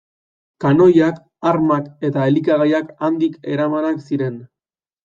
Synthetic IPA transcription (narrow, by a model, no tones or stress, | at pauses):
kano̞jak | aɾmake̞t̪aelikaɣajakand̪ike̞ɾamanaksiɾe̞n